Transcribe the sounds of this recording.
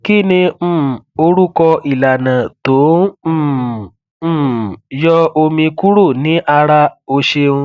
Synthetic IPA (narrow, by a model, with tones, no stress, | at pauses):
ki˦˨nĩ˧m̩˦˨o˧ɾu˦kɔ˧i˨la˨nã˨tõ˨˦˨ | jɔ˦o˧mĩ˧ku˦ɾo˦˨nĩ˨˦ʔa˧ɾa˧o˧ʃe˧ũ˧